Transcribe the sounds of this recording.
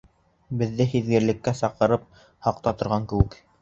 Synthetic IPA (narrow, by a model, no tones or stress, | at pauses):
bɘ̆ðːɘhiðɡɘ̆ɾlɘ̆kːæsɑqɤ̆ɾɤp̚ | hɑq̚t̪ɑt̪ŏɾʁɑŋkɘ̆wɘk